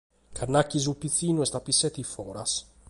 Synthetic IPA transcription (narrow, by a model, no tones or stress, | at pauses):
kʰaɾnacizupiθinuest̪ɐpiset̪ifoɾɐ̰s